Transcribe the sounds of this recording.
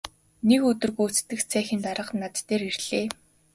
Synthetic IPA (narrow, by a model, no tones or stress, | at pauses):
nekɵt̪ɵ̆rɣujut͡st̪ːɘ̆xt͡sʰæːxʲĭnt̪aɾə̆qnat̪ːeːɾerɮ̥eː